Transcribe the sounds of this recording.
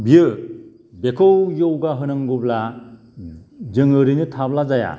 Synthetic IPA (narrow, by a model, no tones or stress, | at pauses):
bijɯ | bekʰɯwjowɡaɦɯnɯŋɡubla | d͡ʒɯŋɯɾinɯtʰablazaja̰